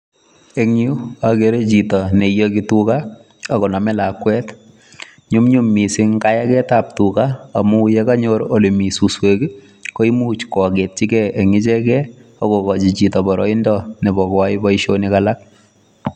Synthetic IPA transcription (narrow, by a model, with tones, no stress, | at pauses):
e˦ŋu˦ake˦ɾe˦t͡ʃi˨tɔ˨ne˨jɔ˦kituka | a˨kɔ˨na˨mɛ˦lakwɛt | ɲu˦mɲu˦mːi˨sɪ˦ŋka˦ja˦kɛ˦tap̚tukaa˨mu˦jɛka˦ɲoɾoli˨mi˨su˨swe˨ki˦ | ko˦i˦muː˦t͡ʃkɔ˨ket̚t͡ʃi˦kɛʔe˨ŋɪ˦t͡ʃɛkɛ˦ɔkɔkɔt͡ʃi˨t͡ʃi˨tɔ˨bɔɾɔi˦ndɔnɛ˨bɔ˨kwaɪ˦bɔiʃonikalak̚